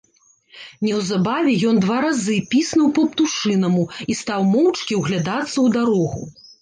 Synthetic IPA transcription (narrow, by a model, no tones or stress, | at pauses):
nʲɛwzabavʲɛjɔnd̪vaɾazɨpʲisnɐwpɐpt̪uʂɨnɐmuist̪awmɔwt͡ʂkʲiwɣlʲad̪at̪sːɐwd̪aɾɔɣṵ